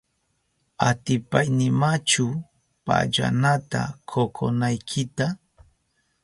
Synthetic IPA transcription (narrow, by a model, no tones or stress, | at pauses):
at̪ɪpajnɪmat͡ʃʊ | pa̰ʎa̰nat̪a̰kʰokʰo̰najkʰɪt̪a